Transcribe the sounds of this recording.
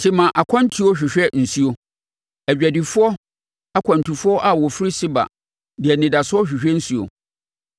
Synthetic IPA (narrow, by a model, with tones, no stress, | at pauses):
tʰɪ˨mã˨ʔa˨kʷʰã˦n˦tʰi˦o˦ɕᶣɪ˨ɕᶣɛ˦n̩˨su˦o˨ | æ˨d͡ʑᶣæ˨di˨fʊ˦ɔ˦ | a˦kʷʰã˨n˨tʰu˨fʊ˦ɔ˦ʔa˨wɔ˨fɪ˦ɾi˦sɪ˦ba̰˨ | di˨ɛ˨nɪ̃˨da˨sʊ˦ɔ˦ɕᶣɪ˨ɕᶣɛ˦n̩˦su˦o̰˨